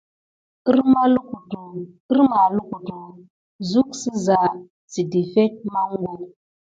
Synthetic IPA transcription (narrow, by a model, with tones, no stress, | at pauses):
ɾma˦lu˦ku˨tu˨ | i˦ɾma˨lu˦ku˨tu˨ | zu˦ksi˦za˨ | t͡si˨di˨fe˦t̚ma˦ŋ˦ɡu˦n